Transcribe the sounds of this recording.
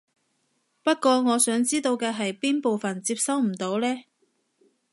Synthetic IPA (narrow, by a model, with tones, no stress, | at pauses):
pɐ˥t̚kʷɔː˧ŋɔː˨˧sœː˨˥ŋt͡siː˥t̪o˧wkɛː˧ɦɐ˨jpiː˥npo˨wfɐ˨nt͡siː˧p̚sɐ˥wm̩˨˩t̪o˨˥wlɛː˥